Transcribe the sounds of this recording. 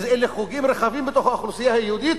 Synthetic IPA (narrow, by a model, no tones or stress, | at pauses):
zʔeleχuɡimɾexavimbet̪oxhaxlusijahajehud̪iːt̪